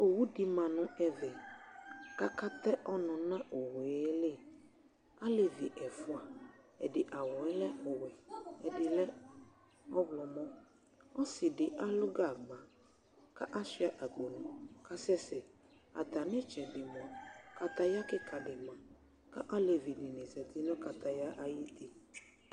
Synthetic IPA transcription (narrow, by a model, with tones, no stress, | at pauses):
o˨wu˦dɪ˨mã˨nʊ̃˦ɛ˨vɛ˨ | ka˦ka˦t̪ɛ˦ʔɔ˦nɔ̃˨nã˦ʔo˨we˨˦le˦ | a˦le˨vi˨ʔɛ˨fʊ˦a˨ | ɛ̰˨dɪ˨ʔa˨wɔ˨ɛ˦lɛ˦ɔ˨wɛ˨ɛ˨dɪ˨lɛ˦ | ɔ˦blɔ˨mɔ̃˦ | ɔ˦sɪ˨dɪ˨ʔa˦lʊ˦ɡa˦˨ɡ͡bã˨ | ka˦ʔa˦sɪ˦a˦˨ʔa˨k͡po˨nʊ̃˨ka˦sɛ˦sɪ˨ | a̰˨t̪a˨nɪ̃˦t͡ʃɛ˨dɪ˨mɔ̃˨ka˨t̪a˦ja˦kɪ˦kʰa˨dɪ˨mã˨ | ka˦ʔa˦le˨vi˨nɪ˨nɪ̃˨zɛ˨t̪ɪ˦nɔ̃˦ka˨t̪a˦ja˦ʔa˦ji˦t̪i˦